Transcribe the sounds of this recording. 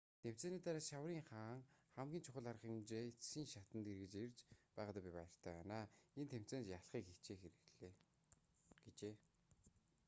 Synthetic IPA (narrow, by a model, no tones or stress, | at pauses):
t̪ʰem̥t͡seːniːt̪aɾaːʃawriːŋχaːŋχæmɡʲiːnt͡ɕʰʊχə̆ɮarə̆χiːŋt͡ɕet͡sxiːŋʃat̪ə̆nt̪erɣɘ̆t͡ɕert͡ɕpæːʁăːt̪apʲipa̰jə̆r̥t̪ʰæːpæːnaːent̪ʰem̥t͡seːntjaɮχiːkxet͡ɕeːxeɾɘ̆ɣɮeː | ɡ̥et͡ɕeː